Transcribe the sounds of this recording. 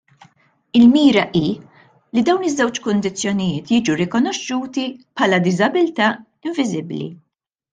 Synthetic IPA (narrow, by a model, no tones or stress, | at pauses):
ɪlmiːɾɐʔiː | lid̪ɐwnɪzːɛwt͡ʃkʊnd̪ɪt͡sːjɔnɪjɪːt̪jiːd͡ʒuɾɪkɔnɔʃːuːt̪ipħɐːlɐd̪ɪzɐbɪlt̪ɐː | ɪɱvɪzɪblḭ